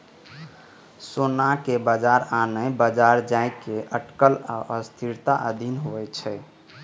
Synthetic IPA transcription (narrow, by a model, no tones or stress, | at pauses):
sonakebəd͡ʒaɾanəbəd͡ʒaɾd͡ʒaɪkːeʔəʈkəla̰ʔəst̪ʰiɾt̪aʔəd̪ʱinɦoɛt͡ʃʰɛ